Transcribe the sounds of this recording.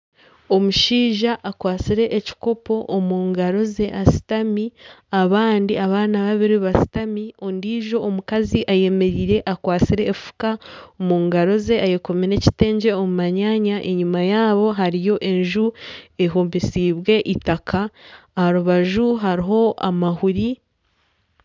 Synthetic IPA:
o̞muʃiːʒaʔːkwaːt͡siɾe̞ʔːci̥ko̞po̞ʔːmuːŋɡaɾo̞ze̞ʔasi̥tamiaβaːndiaβaːnaβaβiɾiβasi̥tamio̞ndiːʒo̞ːmukaziʔaje̞me̞ɾiːɾe̞ʔakwaːt͡siɾe̞ːfu̥kaomuːŋɡaɾo̞ze̞ʔaje̞komiɾe̞ci̥te̞ːɲɟe̞omumaɲaɲaʔe̞ɲumajaːβo̞ɦaɾijo̞ʔe̞ɲʒueɦuːmbisiːβwe̞ʔitakʰaːhaɾuβaʒuɦaɾiɦo̞a̰mahuɾi

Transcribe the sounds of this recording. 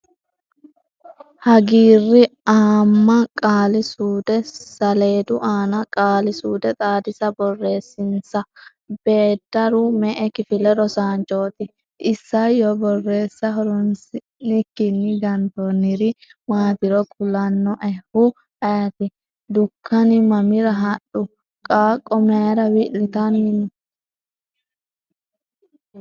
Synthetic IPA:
hɐɡiːrːɪaːmːɐkʼaːlɪsuːd̪ɛsɐle̞ːd̪ʊʔaːnɐkʼaːlɪsuːd̪ɛt̪ʼaːd̪ɪsɐbɔrːe̞ːsːɪnsɐ | b̥e̞ːd̪ːɐɾʊmɛʔɛkɪfɪlɛɾɔsaːnt͡ʃʼo̞ːt̪ɪ | ʔɪsːɐjɔbɔrːe̞ːsːɐɦɔɾɔnsɪ | nɪkːɪnːɪɡɐnd̪onɪɾɪmaːt̪ɪɾɔkʼʊlɐnːɔʔɛhʊ | ʔɐjɐt̪ɪ | d̪ʊkʰːɐnɪmɐmɪɾɐɦɐɗʊ | kʼaːkʼːɔmɛɾɐwɪʔlɪt̪ɐnɪnɪ

